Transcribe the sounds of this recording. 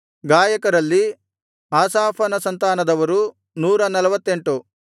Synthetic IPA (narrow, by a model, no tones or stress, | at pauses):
ɡaːjɐkɐɾɐlːi | aːsaːpʰɐnɐsɐnt̪aːnɐd̪ɐʋɐɾu | nuːɾɐnɐlɐʋɐt̪ːe̞ɳʈu